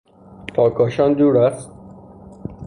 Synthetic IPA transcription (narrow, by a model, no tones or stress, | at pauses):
pʰɒːkʰɒːʃɒnd̪uːɾæst̪̚